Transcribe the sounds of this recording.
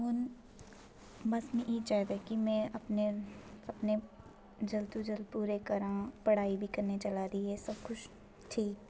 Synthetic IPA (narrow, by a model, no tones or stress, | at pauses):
ɦʊn | mɐsmĩʔit͡ʃaːɦd̪ekimɛ̃ɐpneɐpne | d͡ʒɐlt̪ud͡ʒəlpuːɾekɐɾãːpɐɽ̤aːibʱikɐɾnet͡ʃɐlaɾɐiɦɛsɐb̚kʊt͡ʃʰ | ʈʰiːk